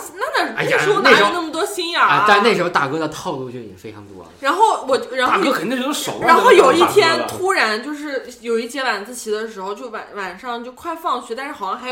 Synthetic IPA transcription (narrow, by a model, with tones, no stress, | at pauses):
na˥˩na˥˩˧a̰˥˩˥ʂ̩˧˥o˥˧na˥˩ʂʊ˥na˥˩mə˩t̪wɔ˥ɕi˥na˨˩˧a˥˧ne˥˩ʂɻ̩˧˥o˧t̪a̰˥˩kɤ˥d̪ə˨t̪ʰɑ˥˧ʊlu˥˩t͡ɕjo˥˩ʊ˨˩fe˥ɪʈ͡ʂʰɑ̰˧˥ŋt̪wɔ̰˥˨ɻa˧˥nxo˥˩ʊwɔ˨˩t͡ɕɻa˧˥n˥t̪a˥˩˥kkʰə˨˩˧ʊʂo˨˩˦la˧nxo˥˧˩ʊjo˨˩ʊi˥˩˧t̪ʰjɛ˥nt̪ʰu˥ɻa˧˥nt͡ɕjo˥˧ʊʂɻ̩˥˩jo˨˩ʊi˥˩t͡ɕjɛ˧˥wa˨˩nt͡sɹ̩˥˩t͡ɕʰi˨˩d̪ə˦ʂ̬ɻ̩˧˥xo˧ʊt͡ɕjo˥˩ʊwa˨˩nwa˨˩nʂɑ˥˧ŋt͡ɕjo˥˧ʊkʰwa˥˧ɪfɑ˥˧ŋt͡ɕʰy˧˥t̪a˥˧nʂɻ̩˥˩xɑ˨˩ʊɕjɑ˥˧xa˧˥˩